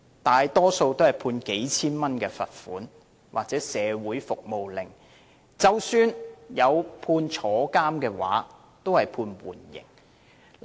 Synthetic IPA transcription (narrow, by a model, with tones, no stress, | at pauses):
t̪aː˨jt̪ɔː˥so˧wt̪o˥whɐ˨jpʰuː˧nke˨˥jt͡sʰiː˥nmɐ˥nkɛː˧fɐ̰˨t̚fuː˨˥n | waː˨k̚t͡sɛː˨˥sɛː˨˧wuː˨˥jfʊ˨k̚mo˨wlɪ˨ŋ | t͡sɐ˨wsyː˨njɐ˨˧wpʰuː˧nt͡sʰɔː˨˥kaː˥mkɛː˧wa̰ː˨˥ | t̪o˥whɐ˨jpʰuː˧nwṵː˨˩njɪ̰˨˩ŋ